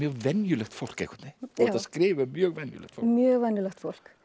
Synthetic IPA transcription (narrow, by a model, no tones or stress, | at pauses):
mjœːɣvɛnjʏlɛxt̪fɔlkɛ̰kʰʏ̥t̪nɪɔt̪askɾɪːvəmjœːɣvɛnjʏ̰lɛ̰kt̪fɔmjœːɣvɛnːʏlɛxt̪fol̥k